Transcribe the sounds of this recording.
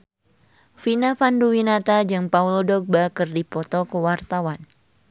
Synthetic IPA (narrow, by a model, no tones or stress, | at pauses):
finafanduwinat̪ad͡ʒɨŋpaulodɔk̚bakɨrdipɔt̪ɔkəwart̪awan